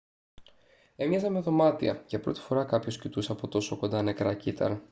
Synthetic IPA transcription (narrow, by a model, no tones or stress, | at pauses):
e̞mɲɐzɐmeðo̞mɐt̪ḭɐ̰ʝɐpɾo̞̰t̪i̥fo̞ɾɐkɐpço̞scit̪usɐpo̞t̪o̞so̞kond̪ɐne̞kɾɐcit̪ʰɐ̰ɾɐ